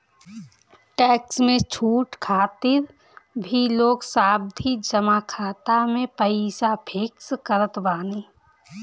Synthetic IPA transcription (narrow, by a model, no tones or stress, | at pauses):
ʈɛːksmẽt͡ʃʰuːʈkʰaːt̪ɪɾ | bʱiloːɡsaːb̚d̪ʱid͡ʒəmakʰaːt̪amẽpəɪsapʰeːkskəɾət̪baːniː